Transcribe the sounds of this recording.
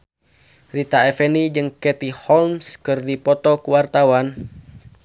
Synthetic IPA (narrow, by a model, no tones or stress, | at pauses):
rit̪aɛfɛnid͡ʒɨŋkɛt̪ihɔlmskɨrdipɔt̪ɔkuwart̪awan